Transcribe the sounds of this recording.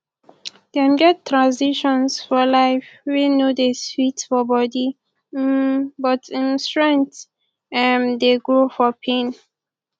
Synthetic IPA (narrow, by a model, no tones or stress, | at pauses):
d̥ãmɡɛtʰːɹãnsiʃɔ̃nsfɔlaɪfwinjudeswitfɔbɔdi | bɔtĩnstɹɛ̃nt | ɛmdeɡɹofɔpʰẽn